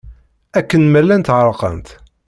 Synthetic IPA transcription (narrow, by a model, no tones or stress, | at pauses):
ækːənmælːænt̪ʕəɾˤqə̰nt̪